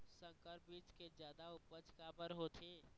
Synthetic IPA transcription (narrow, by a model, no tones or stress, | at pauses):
sə̃ŋkəɾbiːt͡ʃked͡ʒjaːd̪aʊpət͡ʃkabəɾɦoːt̪ʰeː